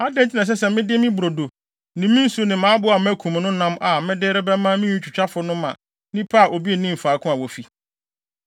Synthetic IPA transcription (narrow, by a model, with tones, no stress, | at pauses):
a˦dɛ̃˦n˨t͡ɕʰi˦nã˨s̬ɛ˦sɛ˨mɪ̃˦dɪ˦mɪ̃˦bʊ˨ɾo˨do˨ | nĩ˨mĩ˦n̩˦su˦nɪ̃˨mãː˨˦bʊ˦a˨m˦æ˦kʰũ˨m˨nʊ̃˦nã˦ma˨mɪ̃˦dɪː˦ɾɪ˦bɛ˦mã˦mɪ̃˦ũ˦t͡ɕʰᶣu˨t͡ɕᶣa˦fʊ˦nʊ̃˦mã̰˨ | nɪ̃˦pʰa˦˨ʔo˨bi˦e˨nĩ˦m̩˨faː˨˦kʰʊ̃˦a˨wo˨fi˨